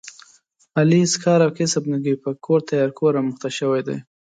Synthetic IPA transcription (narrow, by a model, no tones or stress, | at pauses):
aliskɑɾawkɪsabnəɡipəkʰoɾt̪ajɑɾkʰoɾɑməxt̪aʃəwajd̪a̰j